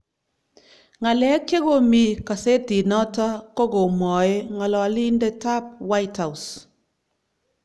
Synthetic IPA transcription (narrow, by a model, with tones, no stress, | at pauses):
ŋa˨lɛ˨˦ke˦ɡo˨mi˨ka˨se˦ti˨nɔ˦ta˦ko˦ɡo˨mɔ˨e˦ŋɔ˨lɔ˨˦li˦ndɛ˦ta˦p̚wa˦jtha˨u˨s